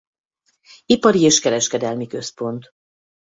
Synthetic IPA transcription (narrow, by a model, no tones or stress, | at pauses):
ipɒɾieːʃkɛɾɛʃkɛd̪ɛlmikø̞spo̞nt̪